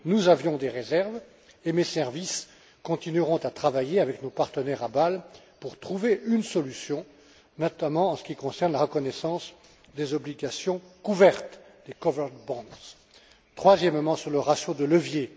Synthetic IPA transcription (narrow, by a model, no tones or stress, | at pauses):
nuzavjɔ̃d̪eʁezɛʁv | emesɛʁvis | kɔ̃t̪inyʁɔ̃t̪at̪χavajeavɛknopaʁt̪ənɛʁabal | puʁt̪χuveʔynsɔlysjɔ̃ | nɔt̪amɑ̃ːsə̥kʲikɔ̃sɛʁnlaʁəkɔnɛsɑ̃s | d̪ezɔbliɡasjɔ̃kuvɛʁt̪d̪̥ekɔvɛʁt̪bɑ̃d̪z | t̪χwazjɛmːɑ̃syʁləʁasjod̪ələvje